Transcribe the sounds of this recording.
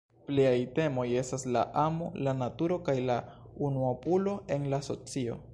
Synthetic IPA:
pliajte̞mo̞je̞stasla̰ʔamolanatuɾo̞kajlaunuopulo̞ʔe̞nlaso̞̰t͡sio̞̰

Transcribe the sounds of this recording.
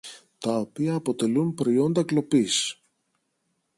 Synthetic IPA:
t̪ɐo̞piɐːpo̞t̪e̞lumpɾo̞jo̞nd̪ɐklo̞pis

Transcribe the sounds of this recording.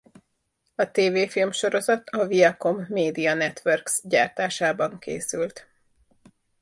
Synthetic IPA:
ɒt̪eːveːfilmʃo̞ɾo̞zɒt̪ʰɒviɛko̞mːeːd̪iɒnɛt̪ʋɛrksɟaːrt̪aːʃaːbɒŋkḛːsylt̪

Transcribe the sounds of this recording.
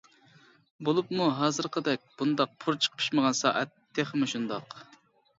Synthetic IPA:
bolˠupmuɦɑːzɨɾqʰəd̪ɛk̚ʲb̥und̪ɑq̚pʰuɾt͡ʃʰə̥qpʰi̥ʃməʁɑnsɑ̰ːʔɛt̪ʰːeχmuʃund̪ɑq

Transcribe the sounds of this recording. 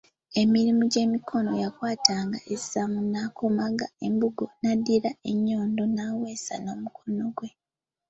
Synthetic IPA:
e̞miɾimuɟe̞ːmikʰo̞no̞jakwaːtaːŋɡaʔesamunaːkomaɡae̞mbuɡo̞nadːiɾaeɲːo̞ːndo̞naːwe̞ːsa̰no̞ːmukʰo̞no̞ɡwe̞

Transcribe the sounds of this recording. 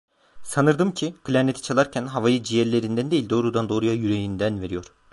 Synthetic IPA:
sanɯɾd̪ɯmcʰiɡ̥ɯlʲæɾnet̪ʰi̥t͡ʃʰalˠaɾcʰænɦavajɯd͡ʒijæɾlʲe̞ɾind̪ænd̪e̞jilʲd̪o̞ːɾud̪and̪o̞ːɾujajyɾe̞jind̪ænve̞ɾijo̞ɾ̥

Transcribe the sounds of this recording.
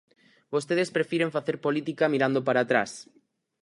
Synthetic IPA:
bost̪eð̞espɾefiɾeɱfaθeɾpolit̪ikamiɾand̪opaɾaːt̪ɾa̰s

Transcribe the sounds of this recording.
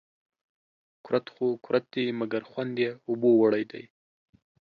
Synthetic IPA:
kʊɾat̪xokʊɾʔat̪̚d̪imaɡaɾxwand̪jeʊbowaɽajd̪a̰j

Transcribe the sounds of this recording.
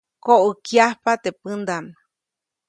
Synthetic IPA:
koʔəkjahpat̪epɨnd̪an

